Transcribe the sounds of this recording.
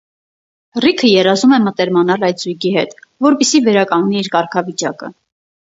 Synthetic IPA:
rikʰəjɛrɑzumɛmət̪ɛɾmɑnɑlɑjt̪zujɡihɛt̪vɔɾpɛsivɛɾɑkɑŋɡniːɾkɑɾkʰɑvit͡ʃɑkə̰

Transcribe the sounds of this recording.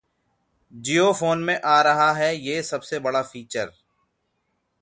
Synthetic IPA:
d͡ʒiːofoːnmẽʔaːɾɐɦaɦɛjeːsɐbsebɐɽafiːt͡ʃəɾ

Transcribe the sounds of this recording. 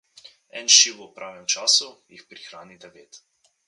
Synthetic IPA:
ɛnʃiwupɾʔaːʋɛmt͡ʃaːsujixpɾixɾaːnit̪ɛʋeːt̪

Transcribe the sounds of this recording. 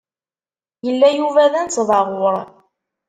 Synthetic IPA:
jəlːæjuvæðænt͡sːðˤɑʁʊɾˤ

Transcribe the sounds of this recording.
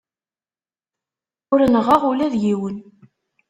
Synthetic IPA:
ʊɾənəʁəʁʊlæðjiwən

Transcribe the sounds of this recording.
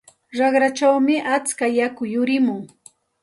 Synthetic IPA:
ɾɑχɾat͡ʃawmɪʔat͡skajakʊjʊɾɪmʊŋ

